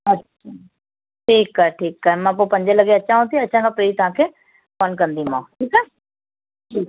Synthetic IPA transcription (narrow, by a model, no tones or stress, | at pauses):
ɐtʃa | ʈʰiːkːaɦeʈʰiːkːaɦɛmãːpopɐ̃ɲd͡ʑəlɐɡeɐt͡ɕʰãɦũnt̪ĩɐt͡ɕʰãkʰãpɾeːit̪ɐɦãːkʰeː | fənkɐ̃nd̪iũmãʈiːka | ʈʰiːk